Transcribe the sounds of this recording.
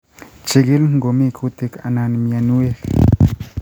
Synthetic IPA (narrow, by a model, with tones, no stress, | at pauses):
t͡ʃi˨ɡi˦lŋɡo˨mi˦kʰut̪i˦ka̰˨na˨nmi˨a˨nu˦e˦k